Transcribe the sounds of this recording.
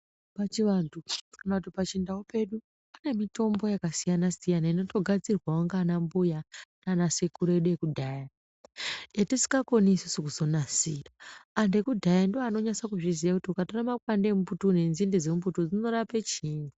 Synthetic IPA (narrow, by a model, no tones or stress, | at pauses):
pat͡ʃiʋantʰunatupat͡ʃindaupe̞ɗu | ane̞mito̞mbo̞jakasijanasijanaino̞to̞ɡʱad͡zirwawaŋɡaːnambujantanasekuɾoeɗuje̞kudʱaːja | jetisi̥kɡako̞nisusukuzo̞nasiraːnde̞kudʱajandoaːno̞ɲasakuʐizijakutiukatoramakwandemuputunenzindezemubutud͡zino̞rape̞t͡ʃiːni